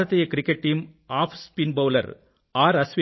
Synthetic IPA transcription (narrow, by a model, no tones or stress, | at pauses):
ɐt̪ːɐjɐkɪɾɪkːɐʈ̚ːiːmaːfspinbɐʊlɐ̰ɾ | aːɾɐsʋi